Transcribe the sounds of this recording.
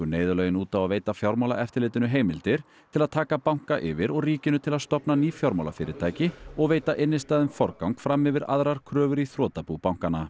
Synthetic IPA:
ʏneːjðʏlœːɥjɪnuːt̪awaðveːjt̪afjawɾmawla̰ʔɛft̪ɪlɪːt̪ɪnʏɦeːjmɪlt̪ɪɾ̥ | t̪ʰɪlaðt̪ʰaːkapawŋ̥kaʔɪvɪɾɔɣriːcɪnʏt̪ʰɪlaðst̪ɔpnaniːfjɔwɾmawlafɪːɾɪt̪ʰaːjcɪɔɣveːjt̪aʔɪnːɪst̪aːðʏnfɔɾkawŋkfɾamːɪvɪɾa̰ðɾaɾ̥kʰɾœːvʏɾiθɾɔːt̪apupawŋ̥kanːa

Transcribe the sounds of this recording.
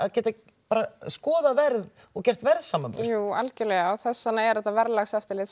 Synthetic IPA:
aðcɛːt̪a | paːɾaskɔːðavɛɾð | ɔɣcɛr̥t̪vɛɾðsaːmapsjuːa̰lcɪlɛːɣaaθɛsːanaɛɾɛht̪avɛɾlaɣsɛft̪ɪlɪt̪

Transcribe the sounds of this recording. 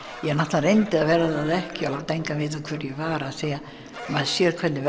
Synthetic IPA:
jɛɣnaht̪larejnt̪ɪavɛːɾaðaðɛhcɪalavt̪ʰejŋkavɪːt̪akʰvɛɾjɛvaːɾaːseːja | maðsjɛːɾkʰvɛt̪nɪ

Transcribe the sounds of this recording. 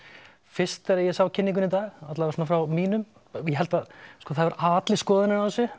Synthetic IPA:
fɪst̪ɛɾajɛsawcʰɪnːiŋkʏnit̪aːɣat̪laðasɔnafɾawmiːnʏm | jɛɦɛlt̪aðskɔːθaðvaɾaːt̪lɪskɔːðɪnɪɾawθɛsːʏ

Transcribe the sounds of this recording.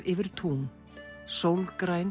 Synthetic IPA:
ɾʔɪvɪɾ̥t̪ʰum | sowlɣkɾaːjn

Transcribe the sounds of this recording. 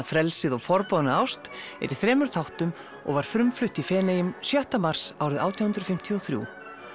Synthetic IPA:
afɾɛlsɪðɔɣfɔɾpɔðnaawst̪ɛ̰ɾiθɾɛːmʏɾ̥θawht̪ʏm | ɔ̰ɣvaɾ̥fɾʏmflʏht̪ifɛːnejʏmsjœht̪amar̥sawɾɪða̰wt̪ʰjawhnt̪ɾ̥fɪm̥t̪ʰiɔθɾjṵː

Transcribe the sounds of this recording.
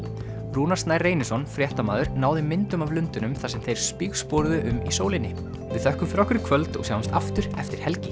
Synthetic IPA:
ɾuːnḁst̪naːjrːeːjnɪsɔnfɾjɛht̪ama̰ːðʏɾnaːwðɪmɪnt̪ʏmavlʏnt̪ʏnʏmθasɛmθejɾ̥spiːɣspɔːɾðʏʔʏmisoːwlɪnːɪ | vɪðθœhkʏmfɪɾɔhkʏɾɪ̥kʰvœlt̪ɔ̰ɣsawamst̪aft̪ʏɾ̥ɛft̪ɪɾ̥hɛlcɪ

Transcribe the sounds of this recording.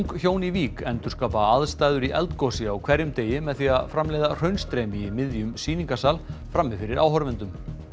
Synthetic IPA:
ŋkçjoːwniviːkɛnt̪ʏ̥skaːpaaðst̪aːjðʏɾiʔɛ̰lt̪kɔsɪawkʰvɛɾjʏmt̪eːjɪmɛðθiaðfɾamleːjðar̥œɥnst̪ɾɛːmiːmɪðjʏmsiːniŋkasalfɾamːɪfɪɾɪɾa̰wɦɔɾvɪnt̪ʏm

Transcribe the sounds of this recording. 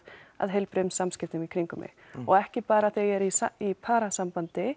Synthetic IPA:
a̰ðɦejlpɾʏmsamscɪft̪ʏmikʰɾiŋkʏmʔɪ̰ | ɔɣɛhcɪpaːɾaθɛɣɛɾisaipʰaːɾasampant̪ɪ

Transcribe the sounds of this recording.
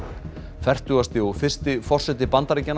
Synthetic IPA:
fɛr̥t̪uːɣast̪ɪɔfɪr̥st̪ɪfɔr̥sɛt̪ɪpant̪aɾɪcːɛn

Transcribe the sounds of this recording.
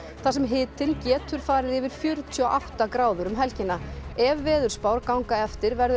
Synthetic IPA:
θas̬ɛmɦɪːt̪ɪncɛːt̪ʏɾ̥faːɾɪðɪvɪɾ̥fjœɾt̪ʰiɔʔaht̪akɾaːwðʏɾʏmɦɛlcɪnːaɛvːɛːðʏɾ̥spaːwɾkawŋkaɛft̪ɪɾvɛɾðʏ

